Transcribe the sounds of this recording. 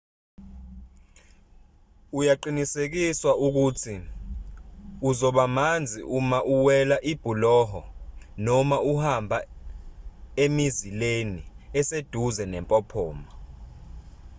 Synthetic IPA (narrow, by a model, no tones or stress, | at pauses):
ujaǃinisek̬iswauk̬utʰi | uzɔɓamand͡zʱiʔumaʔuwɛlaʔib̥ʱulɔɦɔnɔmauhambʱa | emizileniɛsed̥ʱuzɛnɛmpʼɔpʰɔːma